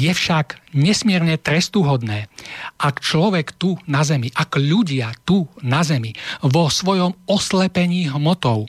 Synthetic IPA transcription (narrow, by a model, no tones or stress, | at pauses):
jɛfʃaɡɲɛsmɪɛɾɲɛt̪ɾɛst̪uːɦɔd̪nɛːʔakt͡ʃlɔʋɛkt̪unazɛmiʔakʎuɟɪat̪unazɛmiʋɔsʋɔjɔmɔslɛpɛɲiːɦmɔt̪ɔʊ